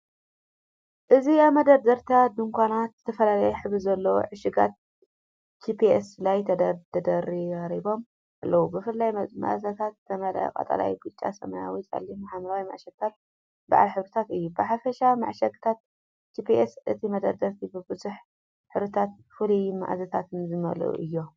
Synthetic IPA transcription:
ʔɨziamɐd̪ɐɾd̪ɐɾt̪ʰad̪ɨŋkʷʰanat̪zɨt̪ʰɐfɐlalɐjɛħɨβɨzɐlːɐwo̰ʕɨʃɪɡa̰t̪̚ | t͡ʃʰipʰieslajt̪ʰɐd̪ɐt̪ʰɐd̪ɐɾiɐɾibo̞m | ʔalːɐwubɨfɨlːajma̰ʔzɐt̪ʰat̪ːʰɐmɐlɐ̰kʼɐ̰t̪ʼa̰la̰jbɨt͡ʃʼːa̰sɐ̰maja̰wit͡sʼɐ̰lːimaħamɾawima̰ʕʃɐɡ̚t̪ʰat̪̚ | ba̰ʕa̰lħɨβɾɨt̪ʰat̪ɨjːubɨħafɐʃama̰ʕʃɐɡ̪t̪ʰat̪̚ | t͡ʃipiʔesʔɨt̪ʰimɐd̪ɐɾd̪ɐɾt̪ʰibɨbɨzuħ | ħɨɾɨt̪ʰat̪̚ | fɨluma̰ʔzɐt̪ʰat̪ʰɨnzɨmɐ̰l̰ʔṵʔɨ̰jːo

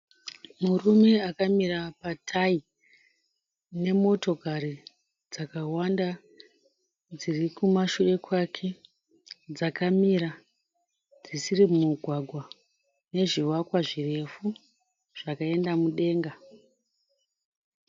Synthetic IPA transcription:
murume̞akamiɾapatʰai | ne̞mo̞to̞kari | d͡zakawanda | d͡zirikumaʃue̞kwakʰe̞ | d͡zakamiɾa | d͡zisirimumuɡʱwaɡʱwa | ne̞ʐiwakwaʐire̞fu | ʐ̥akae̞ndamuɗe̞ːŋɡa

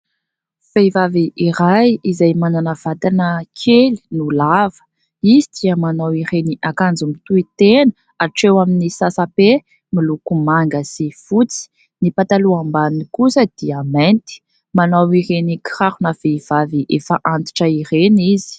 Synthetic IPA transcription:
v̥ejvaviʔiɾajizajmananav̥at̪anəkʰeli̥nulavə̥ | izid̪iəmanawiɾeniʔakand͡zumit̪uit̪enə | aʈ͡ʂewaminisasape | milukumaŋɡəsifut͡si̥ | nipat̪aluambanikusəd̪̥iament̪i̥ | manawiɾeniki̥raɾunav̥ejv̥aviʔefəʔant̪i̥ʈ͡ʂəirenizi̥

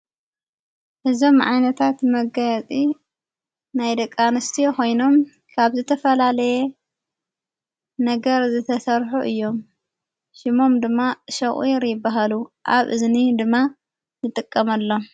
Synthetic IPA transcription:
ʔɨzo̞mʕa̰jnɐt̪ʰat̪mɐɡajat͡sʼi | najd̪ɐkʼːanɨst̪ʰijoko̞jno̞m | kʰaβzɨt̪ʰɐfɐlalɐje | nɐɡɐɾzɨt̪ʰɐsɐɾħuʔɨjːo̞m | ʃɪmo̞md̪ɨmːaʃɐχʼiɾjɪbːaɦaluʔaβʔɨ̰znid̪ɨmːa | nɨt̪ʼɨkʼːɐmɐlːo̞

